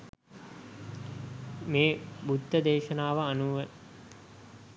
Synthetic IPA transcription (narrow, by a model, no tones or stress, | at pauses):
meːbud̪ʱːɐd̪eːʃɐnaːʋɐːnuʋə